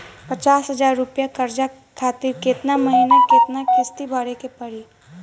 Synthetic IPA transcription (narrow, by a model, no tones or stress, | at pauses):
pət͡ʃaːsɦəzaːɾːʊpjakɐɾd͡ʒa | kʰaːt̪ɪɾkɪt̪naməɦinakɪt̪nakɪst̪ibʱaɽekepɐɽi